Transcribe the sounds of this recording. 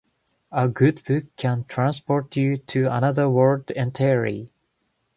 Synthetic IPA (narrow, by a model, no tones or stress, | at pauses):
əɡʉdbʉkʰːæ̃ntʰɹ̥æ̃nspɔɹtjʉtʰɨə̰nʌðə˞wɜ˞dɛ̃ntʰɛəɹḭ